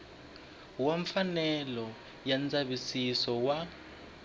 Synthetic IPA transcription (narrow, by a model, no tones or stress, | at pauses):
waɱfanɛlɔ | jant͡saɓisisɔwa